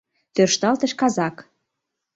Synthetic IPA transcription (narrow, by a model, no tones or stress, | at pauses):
t̪ørʃt̪ɑlt̪ə̆ʃkɑzɑk